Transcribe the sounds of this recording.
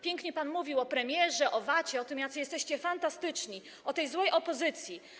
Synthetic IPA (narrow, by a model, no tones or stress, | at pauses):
pʲjɛŋkɲɛpanmuvʲiwɔpɾɛmʲjɛʐɛʔɔvat͡ɕɛɔt̪ɨmjat̪sɨjɛst̪ɛɕt͡ɕɛfant̪ast̪ɘt͡ʂɲi | ɔt̪ɛjzwɛjʔɔpɔzɘt̪sʲji